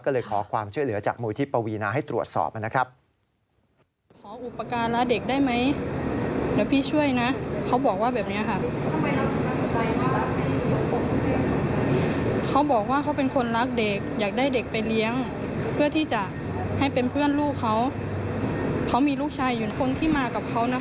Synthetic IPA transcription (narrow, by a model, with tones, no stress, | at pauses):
kɔː˥˩lɤː˧jkʰɔ̰ː˩˦kʰwaː˧mt͡ɕʰu˥˩əjlɯ˩˦t͡ɕa̰ː˨˩k̚muː˧jt̪ʰiː˦˥˩pa˧wiː˧naː˧ɦa˥˩jt̪ɾu˨˩ə˩t̪̚sɔ̰ː˨˩p̚ʔa˧na˦˥kʰɾa˦˥p̚ | kʰɔː˩˦ʔu˨˩pːa˧kaː˧nla˦˥de˨˩k̚daː˥˩jma˦˥j | lɛː˦˥˩wpʰiː˥˨t͡ɕʰu˥˩əjna˦˥kʰa˦˥wbɔː˨˩k̚waː˥˩bɛː˨˩p̚ni˦˥ɐkʰa˧˩ʔ | kʰa˦˥wbɔː˨˩k̚waː˥˩kʰa˦˥wpe˧nkʰo˧nla˦˥k̚de˨˩k̚jaː˨˩k̚da˥˩jde˨˩k̚pa˧jli˦˥əŋ | pʰɯ˥˩ɐt̪ʰiː˥˩t͡ɕa˨˩ʔ | ha˥˩jpe˧npʰɯ˥˩ənluː˥˩kʰːa˦˥w | kʰa˦˥wmiː˧luː˥˩k̚t͡ɕʰaː˧jːu˨˩nkʰo˧nt̪ʰiː˥˩maː˧ka˨˩p̚kʰa˦˥wna˦˥